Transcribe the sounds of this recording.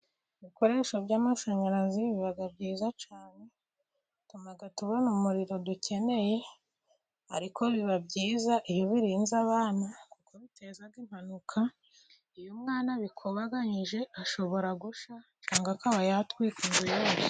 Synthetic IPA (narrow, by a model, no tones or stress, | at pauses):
βiko̞ɾe̞ːʃobɟaːmaʃoɲaɾaziβiβaɡabɟiːzat͡ʃaːne̞ | tumaɡatuβonumuɾiɾo̞duce̞ne̞je̞ | a̰ɾiko̞βiβabɟiːzaʔijoβiɾiːnzaβaːnakukʰoβite̞zaɡim̥hanukʰa | ijomŋaːnaβikʰoβaɡaɲiʒe̞aʃo̞βo̞ɾaɡuʃa | t͡ʃaːŋɡakaβajatwiːkundujoɾa